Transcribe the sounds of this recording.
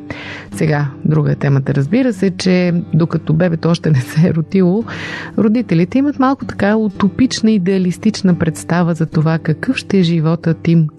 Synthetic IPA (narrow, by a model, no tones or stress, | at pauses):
sɛɡad̪ɾuɡə̰ɛt̪ɛmət̪əɾəzbiɾəsɛt͡ʃɛd̪okɐt̪ɔbɛbɛt̪ɔɔʃt̪ɛnɛsɛ̰ɾot̪ilˠoɾod̪it̪ɛlit̪ɛimət̪malˠkʊt̪ɐ̥kaut̪opit͡ʃnəid̪ɛɐlist̪it͡ʃnəpɾɛt̪st̪avəzɐt̪ovakɐkɤfʃt̪ɛɛʒivɔt̪ət̪im